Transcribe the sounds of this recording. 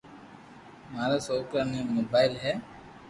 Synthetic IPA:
maːɾasoːklanẽmoːbaːɪlɦɛː

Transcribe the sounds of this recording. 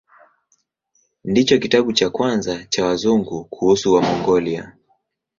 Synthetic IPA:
ndit͡ʃɔkitaɓut͡ʃakwanzat͡ʃawazuŋɡukʰuhusuwamɔŋɡɔlia̰

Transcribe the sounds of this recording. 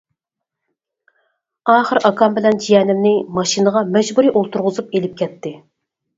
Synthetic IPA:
ɑːχəɾɑkʰɑmbɪlɛnd͡ʒijɛːnɪmnɪmɑʃinəʁɑmɛd͡ʒbuɾiʔolˠt̪ʰuɾʁʊzupelɪp̚kʲʰɛt̪ʰːɪ

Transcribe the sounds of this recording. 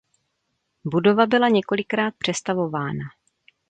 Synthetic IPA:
budo̞vabɪlaɲɛko̞lɪkɾaːt̪̚pr̝̥ɛst̪avo̞vaːna

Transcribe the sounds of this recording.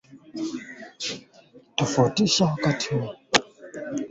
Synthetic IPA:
tafɔtiɕakatʰin

